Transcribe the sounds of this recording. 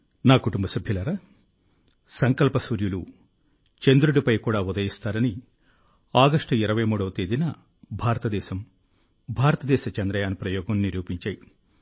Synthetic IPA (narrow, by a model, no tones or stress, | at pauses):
naːkuʈumbɐsɐbʱjɐlɐɾa | sɐŋkɐlpɐsʋɐɾjulu | t͡ʃend̪ɾuɽipɐjkuːɽaːud̪ɐjist̪aːɾɐni | aːɡɐʂʈɐiɾɐʋɐjmuːɽɐʋɐt̪eːd̪inɐ | bʱaːɾɐt̪ɐd̪ɛːsɐm | bʱaːɾɐt̪ɐd̪ɛːʃɐt͡ʃɐnd̪ɾɐjaːnpɾɐjɔːɡɐmniɾjuːpiɲt͡ʃaːji